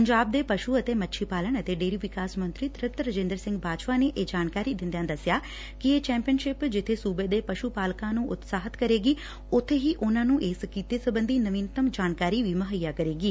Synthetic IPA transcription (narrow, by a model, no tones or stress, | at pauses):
pəɲd͡ʒaːb̚d̪eːpəʃuːət̪eːmətːʃʰiːpaːləɳət̪eːɖeːɾiːʋɪkaːsmə̃nt̪ɾiːt̪ɾət̪ɾəd͡ʒẽːnd̪əɾsɪ̃ŋɡbaːʋaːneːʔeːd͡ʒaːnkaːɾiːd̪ɪ̃nd̪ejãːd̪əsjaː | kɪeːt͡ʃɛ̃ːmpijənʃɪpd͡ʒɪt̪ʰːeːsuːbeːd̪eːpəʃupaːlkãːnũːʔʊt̪saːɦət̪kəɾeːɡiː | ʊt̪ʰːeːɦiːʔʊnãːnũːʔeːskiːt̪eːsəbənd̪iːnəʋĩːnt̪əmd͡ʒaːnkaːɾiːʋiːməɦəjːaːkəɾeːɡiː